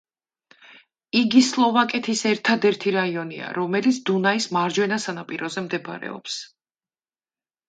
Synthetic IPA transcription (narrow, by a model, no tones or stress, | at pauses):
iɡislˠɔvakʼɛt̪ʰisɛɾt̪ʰad̪ɛɾt̪ʰiɾaiɔnḭa̰ɾɔmɛlit̪sʰd̪unaismaɾd͡ʒwɛnasanapʼiɾɔzɛmd̪ɛb̰ɾɛ̰ɔ̰ps